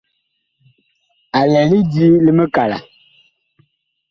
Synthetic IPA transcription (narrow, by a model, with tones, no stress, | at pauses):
a˨lɛ˨li˦di˦li˦mə˦ka˨la̰˨